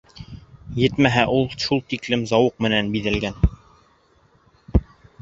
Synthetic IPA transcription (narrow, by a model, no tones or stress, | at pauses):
jɘt̪mæɦæʔulˠʃulˠt̪iklɘmzɑwɤq̚mɘ̆nænbiðæ̆lɡæn